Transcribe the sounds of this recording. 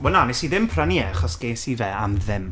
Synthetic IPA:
wɛnanɛsiðɪmpʰraniɛaχɔsɡ̥esivɛamðɪm

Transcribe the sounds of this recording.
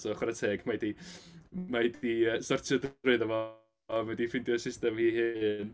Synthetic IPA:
sɔχratʰeːɡmajdi | madiəsɔrtʰɔdɾʊɨðəvɔ | vɛdifɪndjɔsɪstɛmhiːɦɨn

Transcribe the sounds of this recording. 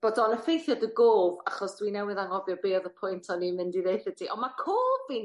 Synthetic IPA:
b̥ɔdɔnəfejθjɔdəɡoːvaχɔsd̥winɛwɪðaŋɔvjɔbeːðəpʰʊjntʰɔnimɪndiðejθədʰiʔɔnmakʰoːvin

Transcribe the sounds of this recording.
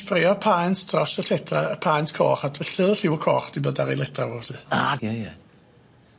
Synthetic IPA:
prɪɔpʰajntd̥ʰrɔsəɬɛtʰraəpʰajntkʰɔ̰ːχadvəɬɨðˠəɬɪwɔkʰɔːχd̥ibədaɾilˠɛtʰravɔɬɨaajɛ

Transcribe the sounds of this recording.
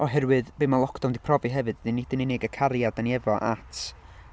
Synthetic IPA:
ɔɦɛɾwɨðbemalˠɔkʰd̥ɔndipʰrɔviɦɛvɨd̥dinːid̥ɪnɪneɡəkʰaɾjadaniɛvɔʔa̰tʰ

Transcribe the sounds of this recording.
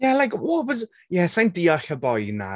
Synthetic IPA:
jalajkɔbɔz | jɛsajndiɔɬəbɔjna̰

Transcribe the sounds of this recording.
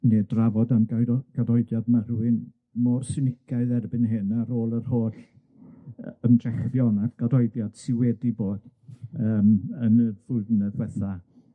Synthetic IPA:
neːdravɔdamɡajɾɔɡ̥adɔɨðjadmarwɨn | mɔrsɪnɪkʰaɨðɛrbɨnɦeːnaɾoːlˠərhoːɬ | əmdrɛχvjɔnavɡ̥adɔɨðjad̥sɪwɛdiboːd̥əːmənəvʊdnɛvwɛθa

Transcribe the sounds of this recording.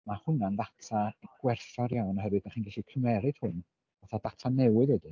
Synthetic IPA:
mahʊnanðatʰaɡ̥wɛrθɔɾjawnɔɦəɾwɨdnaχiːnɡaɬikʰəmɛɾɨd̥hʊn | vaθadatʰanɛwɨðɛdɨ

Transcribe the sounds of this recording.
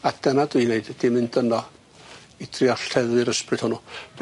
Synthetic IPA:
adɛnadwɨneɨd̥d̥imɨndənɔ | id̥rɪɔɬtʰɛðwɨɾəsprɨd̥hʊnub

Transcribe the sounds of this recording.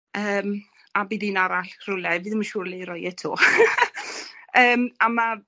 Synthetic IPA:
əːm | abiːðinaɾaɬr̥ʊlɛvɨːðəmaʃuːɾliɾɔjɛtʰoː | əːmama

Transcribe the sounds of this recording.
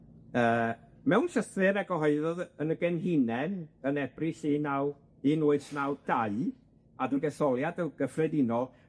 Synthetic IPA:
əː | mɛwnʃəθɪɾɛɡɔɦɔɨðɔðənəɡɛnɦinɛnənɛb̥riɬinaw | ɨnʊɨsnawd̥aɨ | adəɡɛsɔlˠjadəɡ̥əfrɛdinɔ

